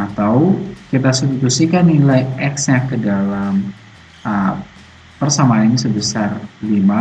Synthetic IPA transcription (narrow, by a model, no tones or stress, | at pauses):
at̪awkit̪asit̪ut̪usikanːilajɛksɲakədalam | ə | pərsamaansəbəsarlima